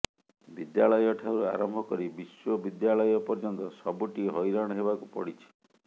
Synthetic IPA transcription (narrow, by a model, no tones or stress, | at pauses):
bid̪jaɭɔjɔʈʰawɾua̰ɾɔmbʱɔkɔɾibiswɔbid̪jaɭɔjɔpɔɾd͡ʒɔnt̪ɔsɔbuʈiɦɔjɾaɽ̃ɔɦebakupɔ̰ɽit͡ʃʰi̥